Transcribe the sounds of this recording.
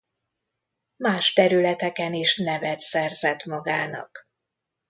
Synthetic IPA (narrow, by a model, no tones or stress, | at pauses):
maːʃt̪ɛɾylɛt̪ɛkɛniʃnɛvɛt̪sɛrzɛt̪mɒɡaːnɒ̰k